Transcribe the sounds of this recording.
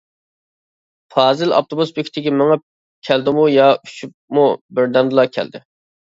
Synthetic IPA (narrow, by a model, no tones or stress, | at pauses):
pʰɑːzɪlɑ̰p̚t̪ʰobusbekʲʰɪt̪ʰɪkʲimɪŋɛ | kʲʰɛld̪ɪmujɑyʃyp̚mubɪɾd̪ɛnd̪ɨlˠɑkʲʰæ̰ld̪ɪ